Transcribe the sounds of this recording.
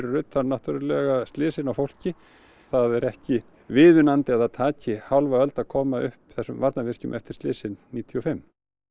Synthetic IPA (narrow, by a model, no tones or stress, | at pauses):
ɾrʏt̪ːaɾnaht̪ʏɾʏlɛɣast̪lɪːsɪnawfowl̥cɪ | θaðɛɾɛhcɪ | vɪːðʏnant̪ɪaðaðt̪ʰaːcɪhawlvaœlt̪akʰɔːmaʔʏhpθɛsːʏmvaɾt̪navɪr̥cʏmʔɛft̪ɪɾ̥st̪ɪːsɪnniːt̪ʰiɔfɪm